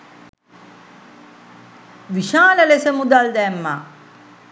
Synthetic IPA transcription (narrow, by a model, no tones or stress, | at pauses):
ʋiʃaːləlesəmud̪ald̪ɛːmːa̰ː